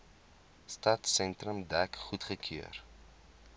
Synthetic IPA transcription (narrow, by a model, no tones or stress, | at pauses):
stɐtsɛntrəmdækχutχəkʰiər